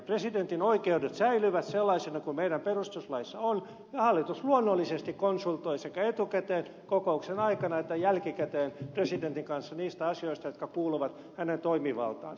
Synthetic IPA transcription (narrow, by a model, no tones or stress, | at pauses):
president̪inoikeudet̪sæilyʋæt̪selːɑisenɑkumeiɾæmperust̪uslɑisːɑon | jɑhɑlːit̪usluonːolːisest̪ikkonsult̪oisekæet̪ukæt̪eːn | kokouksenɑikɑnɑet̪ːæjælkikæt̪eːnpresident̪iŋkɑnsːɑniːst̪æɑsioist̪ɑjot̪̚kɑkuːluʋɑt̪ | hænent̪oimiʋɑ̰lt̪ɑ̰ːn